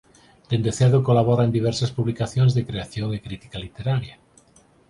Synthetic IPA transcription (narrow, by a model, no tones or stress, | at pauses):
d̪̥end̪eθeɾðokolaβoɾaend̪iβɛɾsaspuβlikaθjõŋzðekɾeaθjoŋekɾit̪i̥kalit̪eɾaɾja